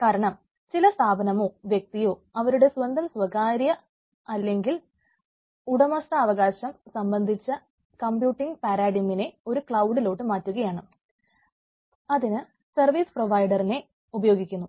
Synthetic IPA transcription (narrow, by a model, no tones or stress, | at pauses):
kaːɾɐɳɐm | t͡ɕilɐst̪ʰaːbʱɐnɐmo̞ːʋjek̚t̪ijoːɐʋɐɾuɽe̞sʋɐnd̪ʱɐmsʋɐɣaːɾjɐ | ɐlːe̞ŋɡil | uɽɐmɐst̪ɐːʋɐɣaːɕɐmsɐmbɐnd̪ʱit͡ɕːɐ | kɐmpjuːʈːiŋɡpaːɾaːɽimine̞o̞ɾukɭɐwɖilo̞ːʈːɨmaːtːuɣɐjaːɳɨ | ɐðinɨ | sɐrʋiːsproʋɐjɖɐrine̞ | ubɐjo̞ːɡikʲːunːu